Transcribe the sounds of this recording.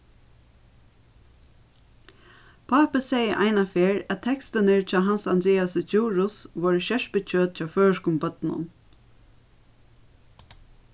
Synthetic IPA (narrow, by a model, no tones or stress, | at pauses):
pʰaːpəsejəʔaɪnafeːɹætt̪ʰɛkst̪ɪnɪɹt͡ʃʰɑːɦansand̪ɾɛːasət͡ʃuːɹʊsʋɔːɹʃɛʂpɪt͡ʃʰøːt̪̚t͡ʃɑːføːɹʂkʊmpœt̪nʊ̰n